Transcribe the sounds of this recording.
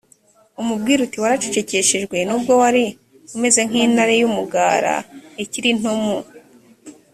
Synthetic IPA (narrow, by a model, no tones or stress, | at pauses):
umub̚ɡiːɾutiwaɾat͡ʃet͡ʃe̞ce̞ʃeʒɡwe̞nuːbɡo̞waɾi | kume̞ze̞ŋ̥iːnaɾejumuɡaːɾa̰eciɾin̥omu